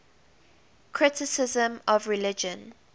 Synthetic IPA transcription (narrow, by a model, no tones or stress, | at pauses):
kʰɹ̥ɪtɪsɪzə̃mɔvɹɪlɪd͡ʒə̃n